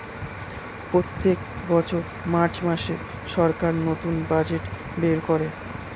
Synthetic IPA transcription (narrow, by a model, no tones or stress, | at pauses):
pɾot̪ːek | bɔt͡ɕʰoɾ | maɾt͡ɕmaʃeɾ | ʃɔɾkaɾnot̪unbad͡ʑeʈ | beɾkoɾe